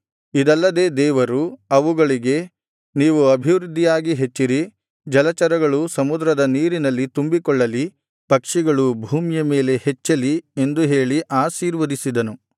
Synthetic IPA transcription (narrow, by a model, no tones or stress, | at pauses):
id̪ɐlːɐd̪e̞ːd̪ɛːʋɐɾuɐʋuɡɐɭiɡe̞ | niːʋuɐbʱiʋɾud̪ʱːijaːɡiɦe̞t͡ʃːiɾi | d͡ʒɐlɐt͡ʃɐɾɐɡɐɭusɐmud̪ɾɐd̪ɐniːɾinɐlːit̪umbikɔɭːɐli | pɐkʂiɡɐɭubʱuːmjɐme̞ːle̞het͡ʃːɐlie̞nd̪uɦe̞ːɭiʔaːsiːɾʋɐɾisid̪ɐnu